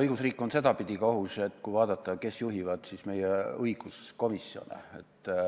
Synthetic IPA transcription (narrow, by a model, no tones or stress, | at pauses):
ɤjɡ̥usriːkːˑo̞nse̞d̪ɑpid̪ikohuse̞t̪ːˑkujvɑːd̪̥ɑt̪ːˑɑke̞sjuɦivɑd̪sisme̞jeɤjɡ̥usko̞misio̞̰nḛet̪ːˑ